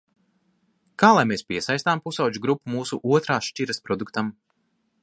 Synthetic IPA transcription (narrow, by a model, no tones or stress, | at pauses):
kaːlˠajmeːspʲiɛsajst̪aːmpusawd͡ʒuɡɾupːumuːsṵʔuɔt̪ɾaːʃt͡ʃʲiɾɐspɾɔd̪ukt̪am